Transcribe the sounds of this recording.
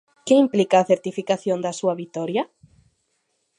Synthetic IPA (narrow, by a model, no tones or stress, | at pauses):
keimplikaːθeɾt̪ifikaθjond̪asuɐβit̪ɔɾja